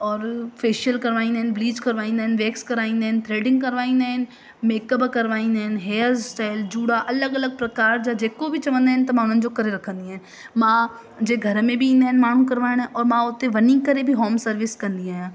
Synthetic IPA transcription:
ɔːɾfʰeːʃəlkəɾʋaːĩnd̪eɦɛnbliːd͡ʒkəɾʋaːĩnd̪ɦɛnʋeːkskəɾaːĩnd̪eɦnt̪ɾeːɖɪ̃ŋɡ̚kəɾʋaːĩnd̪aːɦn | meːkəbkəɾʋaːĩnd̪eɦnɦeːzsʈaːɪld͡ʒuːɽaːʔɐləɡələɡ̚pɾɐkaːɾd͡ʒaːd͡ʒeːkobʱit͡ʃɐʋə̃nd̪eɦɛnt̪ɐmaːñənd͡ʒokəɾeɾɐkʰə̃nd̪iɛ̃ː | mãː | d͡ʒeːɡʱəɾmẽbʱiĩːnd̪eɦɛnmaːn̤ũkəɾʋaːɪñɛ̃ːʔɔːɾmãːʊt̪ːẽʋənĩkəɾebʱiɦoːmsəɾʋɪskəɾnd̪iaːjãː

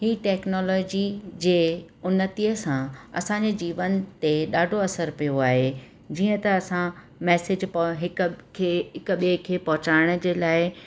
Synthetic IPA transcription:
ɦiːʈɛːknɔːlɔːd͡ʑid͡ʑeːʊnət̪iəsãɐ̰sãɲd͡ʑed͡ʑiːʋənt̪eɗaːɖʱoɐsəɾpijoaːɦe | d͡ʑiːə̃t̪ɐɐsã | mɛːsɪd͡ʑpɦɪkkʰeɦɪkʊ̆ɓiekʰeːpɐɦʊt͡ɕaːɪɽ̃ə̆d͡ʑeːlaːɪ

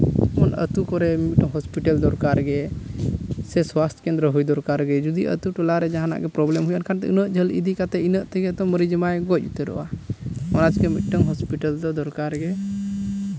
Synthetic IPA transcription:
mɔnə̰t̪ukɔɾɛmit̪̚ʈəŋɦɔspiʈəld̪ɔɾkaɾɡɛ | sɛswast̪ʰkɛnd̪ɾəɦujd̪ɔɾkaɾɡɛd͡ʒud̪iʔə̰t̪uʈɔlaɾɛd͡ʒaɦana̰ʔɡɛpɾɔblɛmɦujankʰant̪ɛ̰ʔṵnəʔd͡ʒʱəlḭd̪ikat̪ɛinəʔt̪ɛɡɛt̪ɔmːəɾid͡ʒəmajɡɔc̚ˀut̪ɛɾɔ̰waɔnat͡ʃkɛmit̪̚ˀʈəŋɦɔspiʈəld̪ɔd̪ɔɾkaɾɡɛ

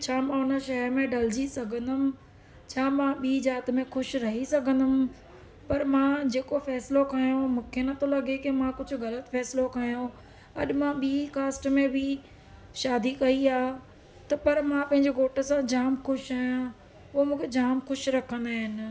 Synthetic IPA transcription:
t͡ɕʰaːmãʊnəʃɐɦəɾmẽɖɐld͡ʑisɐɡʱə̃nd̪ʊmɪ̆ | t͡ɕʰaːmãɓiːzaːt̪mẽxʊʃɾɐɦisɐɡʱə̃nd̪ʊm̆ | pɐɾmãd͡ʑeːkofɛːsɪlokʰaːjõmũːkʰenɐt̪olɐɠekɪmãkʊd͡ʑʱʊ̆ɣɐlət̪fɛːsɪlokʰaːjõ | ɐ̰ɗɪ̆mãɓiːkaːsʈmẽbʱi | ʃaːd̪ikɐiaː | t̪ɐpɐɾmãpɐ̃ɦɪ̃ɲd͡ʑeɡoːʈəsãd͡ʑaːmxʊʃaːjã | ʊomũːkʰed͡ʑaːmxʊʃɾɐkʰə̃nd̪aːɦɪn

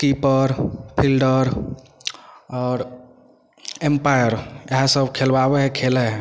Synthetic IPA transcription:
kipəɾpʰilɖəɾ | ɔːɾ | empajəɾjəɦãsəbkʰelbabeɦɛkʰeleɦɛ

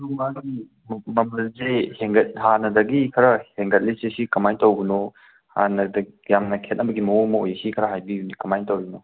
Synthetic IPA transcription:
ɾumaɡi | mɐmɐlzeheŋɡɐt̚hanɐdɐɡikʰɐɾɐheŋɡɐt̚lisesikɐmajntɐwɡino | ha̰nɐdɐjamnɐkʰet̚nɐbɐɡimɐomɐojɐsikʰɐɾɐɦajbijunikɐmajntowino

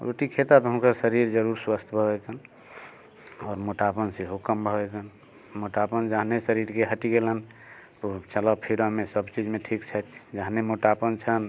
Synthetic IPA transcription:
o̰ʈikʰet̪at̪ɦənkəsəɾiɾd͡ʒəɾuɾswəst̪ʰbʱəbɛt̪ən | ɔːɾmoʈapənseɦukəmbʱəbɛt̪ən | moʈapənd͡ʒaɦnesəɾiɾkeɦəʈiɡelən | t̪ot͡ʃələpʰiɾamesəbt͡ʃid͡ʒmeʈʰikt͡ʃʰət̪d͡ʒaɦnemoʈapənt͡ʃʰən

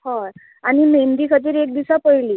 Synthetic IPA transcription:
hə | añimend̪iːkʰət̪̬iːɾek̚d̪isapəjliː

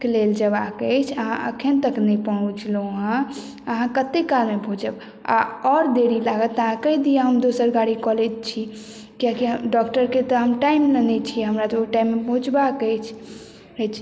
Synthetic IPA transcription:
keleld͡ʒəbakət͡ʃʰəɦãʔə̰kʰent̪əknəjpɔɽ̃ut͡ʃʰloɦə̃ | əɦãkət̪ekːalmebʱõd͡ʒəb | a̰ɔɾd̪eɾilaɡət̪ːəɦãkəd̪ijaɦəmd̪osəɾɡaɽikɔlet̪̚t͡ʃʰi | kijakiɦɖɔkʈəɾket̪ɔɦəmʈajmlənɛt͡ʃʰiɦəmɾat̪ɔʈajimːebʱõd͡ʒbakəjt͡ʃʰ | ɾət͡ʃʰ

